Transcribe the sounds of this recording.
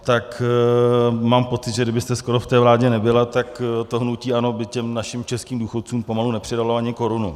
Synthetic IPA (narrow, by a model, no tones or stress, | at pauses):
t̪ak | maːmpott͡sɪt̪ʒɛɡdɪbɪst̪ɛsko̞ɾoft̪ɛːvlaːɟɛnɛbɪlat̪akt̪o̞ɦnuciːʔano̞bɪcɛmnaʃɪmt͡ʃɛskiːmduːxot̪̚t͡suːmpo̞malunɛpr̝̥ɪdaloaɲɪko̞ɾunu